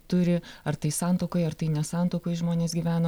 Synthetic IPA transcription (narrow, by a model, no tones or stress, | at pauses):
t̪ʊɾʲɪɐrt̪ɐɪsɑːnt̪oːkoɪɐrt̪ɐɪnʲɛsɑːnt̪oːkoɪʒmoːnʲeːsɡʲiːʋʲæːnoː